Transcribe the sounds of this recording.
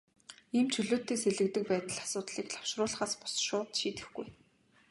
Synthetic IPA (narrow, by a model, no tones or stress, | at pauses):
iːmt͡ɕʰɵɮoːt̪ːeːseɮɘ̆k̚t̪ɘ̆k̚pæːt̪ə̆ɮasʊːt̪ɮiːkɮḁw̥ʃrʊːɮ̆χaːspɔ̥sʃʊːt̪ʃiːt̪ɘ̆xɡuj